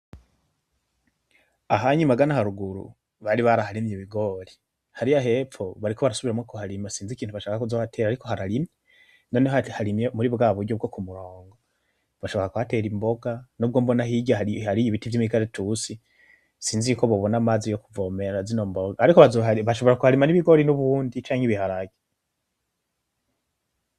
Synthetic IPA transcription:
aɦaɲumaɡanahaɾuɡuɾṵ | βaɾiβaɾahaɾimjiβiɡo̞ɾi | haɾijaɦe̞fo̞βaɾikoβaɾasuβiɾamŋokoɦaɾimasiːnzikiːntuβaʃaːkakuzoːhatʰeɾaɾiko̞ɦaɾalime | nonehohaɾimjemuɾiβɡaːβuɾɟob̚ɡo̞kumuɾo̞ːŋɡo | βaʃo̞βo̞ɾakuhate̞ɾimbo̞ɡanob̚ɡoːmbonahiɟahahaɾijiβitivjimŋikaɾetusi | siːnziko̞βoβo̞namaːzijokuvoːme̞ɾazinomboɡahaɾikoβazoaβaʃo̞βo̞ɾakuhaɾimaniβiɡo̞ɾinuβuːndit͡ʃaːŋɡiβihaɾaɡe

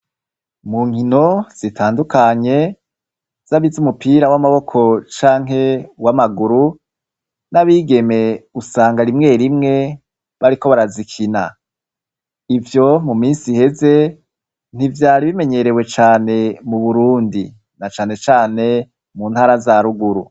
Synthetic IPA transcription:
muːŋhino̞z̥itʰaːndukaɲe̞ | z̥aβizumupiːɾawamaβo̞kʰo̞t͡ʃaːŋɦe̞wamaɡuɾu | naβiːɡe̞me̞usaːŋɡaɾimŋe̞ːɾimŋe̞ | βaɾiko̞βaɾazikʰina | ivjo̞mumiːnsihe̞ze̞ | n̥ivjaːɾiβime̞ɲe̞ɾe̞we̞t͡ʃaːne̞muβuɾuːndi | nat͡ʃaːne̞t͡ʃaːne̞ | muːn̥haːɾazaɾuɡuɾṵ

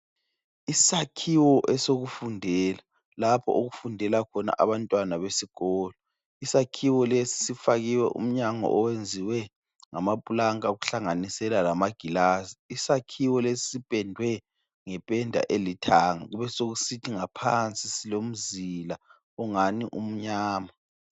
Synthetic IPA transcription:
isakʰiwɔʔɛsoɣufundʱɛːla | lapʰɔ̰ʔoɣufundʱɛlakʰɔna̰ʔa̰βantʼwanaβesiɡ̥ʱɔːlɔ | isakʰiwɔlesi̥sifaɣiwɛ̰ʔṵm̩ɲaŋɔ̰ʔɔwend͡zʱiwɛ | ŋamapʼulaŋaɣuɬaŋanisɛlalamaɡ̥ʱilaːziisakʰiwɔlesi̥sipʼɛndʱwɛ | ŋɛpʼɛndʱa̰ʔelitʰaŋa̰ɣuβɛsoɣusitʰiŋapʰant͡sʼisilom̩zila | ɔŋaniʔum̩ɲaːma

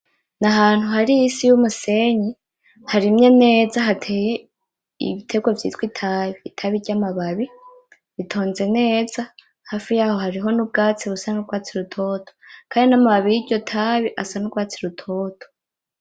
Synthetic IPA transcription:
naɦaːn̥huhaɾijisijumuse̞ɲi | haɾimɲe̞ne̞ːzaɦatʰe̞ːje̞ | ḭβitʰe̞ɡwovjḭːtwitʰaβiːtʰaβiɟamaβaβi | βitʰo̞ːnze̞ne̞ːza | hafijaːho̞ɦaɾiɦo̞nub̚ɡaːt͡siβusanuɡwaːt͡siɾutʰo̞tʰo̥kʰaːndinamaβaβijiɾɟo̞tʰaβiʔasanuɡwaːt͡siɾutʰo̞ːtʰo̥

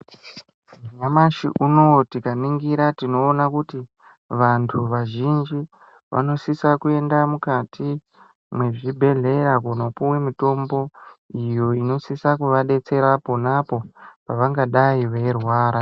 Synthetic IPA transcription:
ɲamaʃḭʔuno̞tikaniŋɡiɾatino̞ːnakuti | ʋantʰuʋaʒind͡ʒi | ʋa̰no̞sisakue̞ndamukatʰi | mwe̞ʐibʱe̞ɮe̞ɾakuno̞puwimito̞mbo̞ijo̞ino̞sisakuʋaɗe̞t͡se̞ɾaponapo̞paʋaŋɡaɗaiʋerwaːɾa

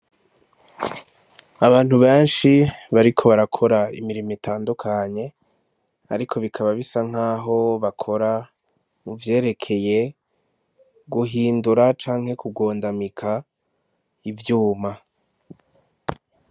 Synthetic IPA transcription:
aβaːn̥huβe̞ːnʃiβaɾikʰo̞βaɾakʰo̞ɾaḭmiɾimitʰaːndukʰaɲe̞ | a̰ɾikʰo̞βikʰaβaβisaŋ̥aːɦo̞βakʰo̞ɾa | muvje̞ːɾe̞kʰe̞je̞ | ɡuɦiːnduɾat͡ʃaːŋ̥he̞kuɡo̞ːndamikʰa | ivjuːma

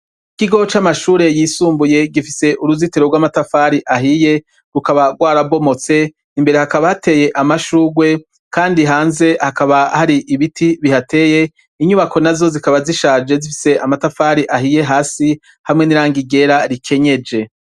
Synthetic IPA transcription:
ikiɡo̞t͡ʃamaʃuːɾe̞jiːsuːmbuje̞ɡifise̞ʔuɾuziteɾoɡwaːmatafaːɾiʔaɦije̞ | ɾukaβaɡwaːɾabo̞mo̞t͡se̞ | imbe̞ɾe̞hakaβahate̞je̞ʔamaʃuːɡwe̞ | kaːndiɦaːnze̞hakaβahaɾiʔiβitiβihate̞ːje̞ | iɲuβako̞nazo̞zikaβaziʃaːd͡ʒe̞zifi̥se̞ʔamatafaːɾiʔaɦije̞ɦaːsi | hamŋe̞niɾaːŋɡiɡe̞ɾaɾikʰe̞ɲe̞d͡ʒe̞

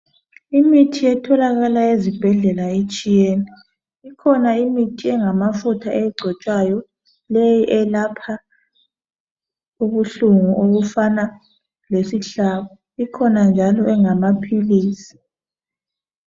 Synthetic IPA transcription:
imitʰijɛtʰɔlaɣalaezib̥ʱɛɮɛlaet͡ʃʼijeniː | kʰɔnaimitʰiɛŋamafutʰaeiɡ͡ǀʱɔt͡ʃʼwajɔ | lejiʔɛlapʰa | uβuɬuŋuʔoɣufana | lesiɬaβɔ | ikʰɔnand͡ʒʱalɔʔɛŋamapʰiliːsi̥

